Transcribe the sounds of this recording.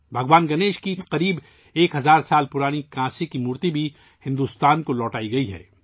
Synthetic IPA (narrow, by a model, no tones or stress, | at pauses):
bʱɐɡʋaːnɡɐneːʃkiqɐɾiːb | eːkɦɐzaːɾsaːlpʊɾaːnikãːsekimuːɾt̪ibʱi | hɪ̃nd̪ust̪aːnkolɔːʈaːiɡɐiɦɛ̰ː